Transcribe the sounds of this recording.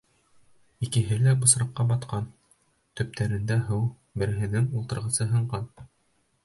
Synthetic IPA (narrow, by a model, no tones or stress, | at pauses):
ikɘ̆ɦɘlæbɤ̆sɾɑqːɑbɑt̪qɑn | t̪ɵ̆p̚t̪æɾɘ̆nd̪æɦɤw | bɘ̆ɾɘ̆ɦɘ̆nɘŋulˠt̪ɤ̆ɾʁɤ̆sɤɦɤ̆ɴɢɑn